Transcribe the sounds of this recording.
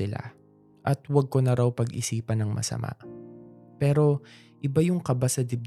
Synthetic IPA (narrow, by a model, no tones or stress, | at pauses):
ɪla̰ | ʔɐt̪wɐɡ̚konɐɾawpɐɡʔɪ̰siːpɐnɐŋmɐ̰sɐ̰mʔa̰ | pɛːɾo̞ | ʔɪbajʊŋkɐbasɐd̪ɪb